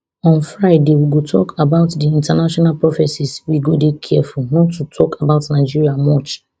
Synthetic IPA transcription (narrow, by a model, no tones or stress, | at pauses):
ɔ̃nfɹaɪdewiɡotʰɔ̰kʰabaʊtdiĩntanaʃɔnalpɹɔfɛsiswiɡodekʰɛfulnɔtːutʰɔkabaʊtnaɪd͡ʒiɹiamɔt͡ʃ